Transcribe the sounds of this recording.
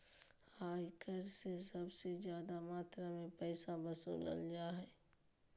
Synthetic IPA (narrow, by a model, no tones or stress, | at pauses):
haːjkəɾsesɐbsezjaːd̪amaːt̪ɾamẽpɛːsabəsṵːlə̰ld͡ʒaːɦɛː